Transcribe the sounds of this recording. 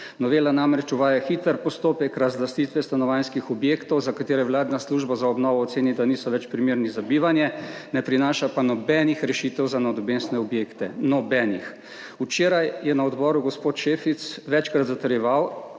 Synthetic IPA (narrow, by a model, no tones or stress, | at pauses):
nɔʋeːlanamɾɛt͡ʃuʋaːjaxit̪əɾpɔst̪oːpɛkɾazlast̪it̪ʋɛst̪anɔʋanskixɔbjeːkt̪ɔwzakat̪eːɾɛʋlaːd̪nasluʒbazaɔbnɔːʋɔːt̪seːnid̪anisɔʋɛt͡ʃpɾimeːɾnizabiːʋanjɛnɛpɾinaːʃapanɔbɛnixɾɛʃiːt̪ɛwzanɔd̪ɔbensnɛɔbjeːkt̪ɛnɔbɛnix | ut͡ʃeːɾajjɛnaɔd̪bɔːɾuɡɔspot̪ʃeːfit̪sʋɛt͡ʃkɾat̪zat̪əɾjɛʋaw